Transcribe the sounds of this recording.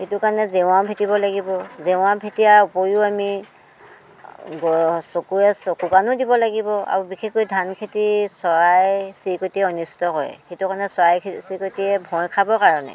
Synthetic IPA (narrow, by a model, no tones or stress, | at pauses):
xetʊkanɛzeʊ̃aʊpʰetibɔlaɡibɔzeʊ̃abʰʱetijaɹupoɹuami | ɡɔsokuɛsokuɡanʊdibɔlaɡibɔa̰ɹubixʰekojdʱankʰetisɔɹajjsikotiɛɔnistɔɦɔjɛ̰xetukanɛsɔɹajsikotiɛbʱɔ̃jkʰabɔkaɹɔnɛ̰